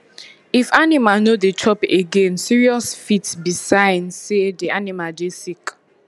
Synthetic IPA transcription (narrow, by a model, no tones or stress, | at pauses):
ifanimanodet͡ʃʰɔpeɡẽnsiɹiɔsfitbisãɪ̃nsedianimadesik